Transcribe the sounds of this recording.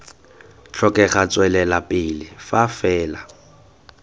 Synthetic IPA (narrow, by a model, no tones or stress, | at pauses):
t͡ɬʰɔkʼɛχat͡sʼwɛlɛlapʼɪlɪfafɛːla